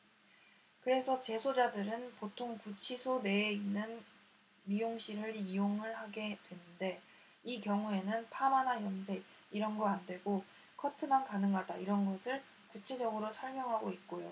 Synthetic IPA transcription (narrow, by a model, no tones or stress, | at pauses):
kɯɾe̞sʰʌt͡ɕe̞sʰod͡ʑadɯɾɯnpotʰoŋkut͡ɕʰisʰone̞ːinːɯn | mijoŋɕ͈ʰiɾɯɾijoŋɯɭhaɡe̞dwe̞nɯnde̞ | ikjʌŋue̞nɯnpʰamanajʌnsʰe̞ɡ̚ | iɾʌnɡʌandwe̞ɡo | kʰʌtʰɯmankanɯŋɡadaiɾʌnɡʌsʰɯɭ | kut͡ɕʰe̞d͡ʑʌɡɯɾosʰʌɭmjʌŋɦaɡoit̚k͈ojo